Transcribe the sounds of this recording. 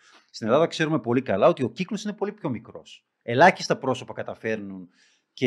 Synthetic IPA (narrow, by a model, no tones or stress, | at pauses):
st̪inelɐðɐkse̞ɾume̞po̞likɐlɐo̞t̪io̞ciklo̞sine̞po̞lipço̞mikɾo̞̰s | e̞lɐçi̥st̪ɐpɾo̞so̞pɐkɐt̪ɐfe̞ɾnun | ce